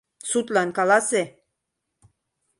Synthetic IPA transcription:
sut̪lɑnkɑlɑse

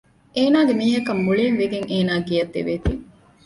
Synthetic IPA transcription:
ʔeːnaːɡemiːɦɐkɐmːuɭeːŋʋeɡeŋeːnaːɡijɐd̪ːḛʋeːt̪iːŋ

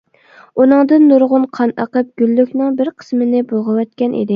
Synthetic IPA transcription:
unɨŋd̪ɨnːuɾʁʊnqʰɑnɑ̰qəp̚ɡ̥ʲylːykʲnɨŋbɪɾqʰə̥smɪnɪbolˠʁəwɛt̪̚kʲɛnʔḭd̪ɪ

